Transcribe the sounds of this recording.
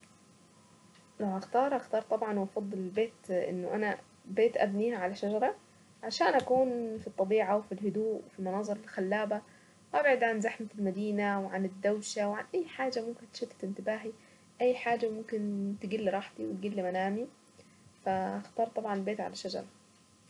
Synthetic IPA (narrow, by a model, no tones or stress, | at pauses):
lawʔaxt̪ɑːɾˤʔaxt̪ɑːɾˤt̪ˤɑbʕɑnwʔɑfɑd̪ˤːɨlɪlbeːt̪ʔɪ̰nːʊʔana | beːt̪ʔabniːhaʕalaʃad͡ʒɑɾˤɑ | ʕaʃaːnʔakuːnfit̪ˤːɑbiːʕawfilɦʊd̪uːʔwɪfimʊnɑːzˤɨɾˤɪlxalːaːba | wʔabʕɪd̪ʕanzaħmalmad̪iːnawʕanɪd̪ːawʃawʕanʔajːħaːd͡ʒamʊmkɪnt̪ʃɪt̪ːɪ̥t̪ɪnt̪ɪbaːɦi | ʔajːħaːd͡ʒːamʊmkɪnt̪ɪɡilːɾˤɑːħt̪iwɪt̪ɡɪlːimanaːmi | faʔaxt̪ɑːɾˤt̪ˤɑbʕɑnɪlbeːt̪ʕa̰laʃad͡ʒɑ̰ɾˤɑ